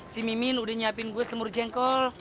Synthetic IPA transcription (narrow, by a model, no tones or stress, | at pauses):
simiminudɛɲapinɡuɛsəmurd͡ʒɛŋkɔl